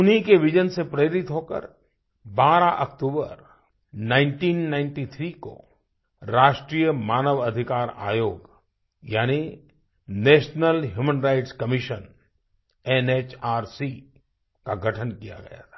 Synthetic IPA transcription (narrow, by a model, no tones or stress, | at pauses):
ʊnikeʋɪd͡ʒənsepɾeːɾɪt̪ɦoːkə̰ɾ | baːɾaʔɐkʈ̪uːbə̰ɾ | nãːɪ̃ɳʈiːnːãːɪ̃ɳʈit̪ʰɾiko̰ | ɾaːʃʈɾijəmaːnəʋɐd̪ʱɪkaːɾa̰ːjoːɡ | jaːni | neːʃnəlɦjuːmənɾaɪʈskɐmɪʃən | ɛnet͡ʃaːɾsi | kaɡʱəʈʰənkija̰ɡɐ̰ja̰t̪ʰḁː